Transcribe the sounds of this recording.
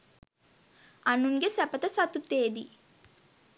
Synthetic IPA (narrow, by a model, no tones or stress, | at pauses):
anuŋɡesæpət̪əsat̪ut̪eːd̪i